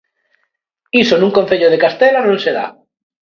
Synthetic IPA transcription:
isonũŋkon̟θeʎoðekast̪elanõnseða̰

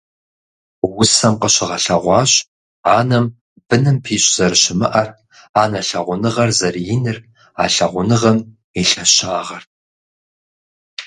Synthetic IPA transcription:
wʊsɐmqəɕɪʁɐɬɐʁʷɑːɕ | aːnɐm | b̥ɨnɨmpʰiːɕʼz̥ɐrɕɪmɨʔɐr | aːnɐɬɐʁʷʊnɨʁɐrzɐrjɪnɨr | aːɬɐʁʷʊnɨʁɐm | iɬɐɕaːʁɐr

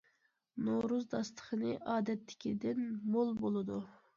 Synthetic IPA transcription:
noɾuzd̪ɑst̪ʰə̥χənɨʔɑːd̪ɛt̪ʰːɪ̥kʲid̪ɪnmolˠbolˠɨd̪u

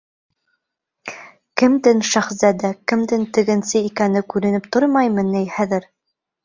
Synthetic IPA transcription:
kɘ̆md̪ɘnʃæχsæd̪ɘkɘ̆md̪ɘnt̪ɘ̆ɡɘ̆nsɘikænɘkʉɾɘ̆nɘp̚t̪oɾmɑjmɤ̆nijχæðɘɾ

